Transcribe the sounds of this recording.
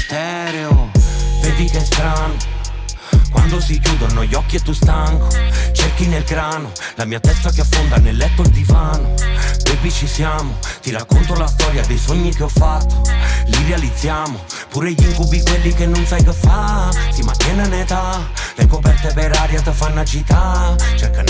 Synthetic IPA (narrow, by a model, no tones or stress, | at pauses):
t̪ɛ | ɾeoved̪ikeɛst̪ɾano | kwa̰nd̪osikjuːd̪onːɔjːɔkːiet̪ːust̪aŋkot͡ʃerkinelɡɾaːno | lamiːat̪ɛst̪akeafːond̪anelːɛt̪ːod̪ivaːnod̪ebːit͡ʃisjaːmot̪iɾakːont̪olast̪ɔɾjad̪ejsoɲːikeɔfːat̪ːolid̪ealid̪zːjaːmo | puːɾeʎːiŋkubikwelːikenːonsajkəfːasimat̪ːɛnanet̪alekopɛrt̪epeɾaːɾjat̪əfanːat͡ʃit̪ːat͡ʃerka